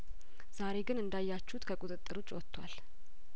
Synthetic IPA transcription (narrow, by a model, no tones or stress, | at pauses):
z̥aɾe̞ɡɨnɨnd̪ajːat͡ʃːut̪kʰəkʼut̪ʼɨt̪ʼːɨɾot͡ʃʼːwɔt̪ʰːwa̰l